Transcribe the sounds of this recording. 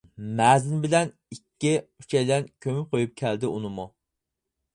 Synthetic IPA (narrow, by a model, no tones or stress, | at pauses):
mɛːzɪnbɪlɛn | ikʲːiy̥t͡ʃʰɛjlɛnkʲʰømyp̚qʰojup̚kʲʰæld̪ɪʔunɨmu